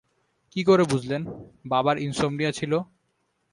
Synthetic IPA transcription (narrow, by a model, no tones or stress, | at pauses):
kikoɾebud͡ʑʱlenbabaɾinsomnijat͡ɕʰilo